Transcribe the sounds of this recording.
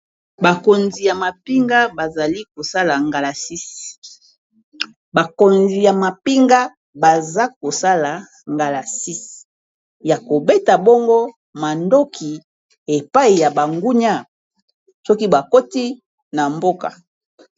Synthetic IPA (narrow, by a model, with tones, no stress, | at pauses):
ba˨ko˨nzi˨ja˨ma˨pi˦ŋɡa˦ba˨za˨li˦ko˨sa˦la˨ŋɡa˨la˨si˦si̥˨ | ba˨ko˨nzi˨ja˨ma˨pi˦ŋɡa˦ | ba˨za˦ko˨sa˦la˨ | ŋɡa˨la˨si˦si̥˨ | ja˨ko˨be˦ta˨bo˦ŋɡo˦ | ma˨ndo˦kʰi˨ | e˨pa˦i˨ja˨ba˨ŋɡu˦ɲa˦ | sɔ˦ki˦ba˨ko˦ti˦ | na˨mbo˦ka̰˨